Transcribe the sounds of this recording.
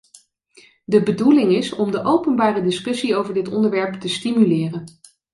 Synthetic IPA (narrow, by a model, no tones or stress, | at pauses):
dəbədulɪŋɪsɔmdəʔowpənbaːrədɪskɵsiowvəɹdɪtɔ̰ndəɹʋɛɹptəstimylɪːrən